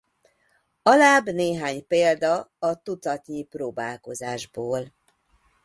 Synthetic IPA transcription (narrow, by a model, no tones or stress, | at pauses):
ɒlaːbneːɦaːɲpeːld̪ɒɒt̪ut̪t̪ɒt̪ɲiproːbaːlko̞zaːʒboːl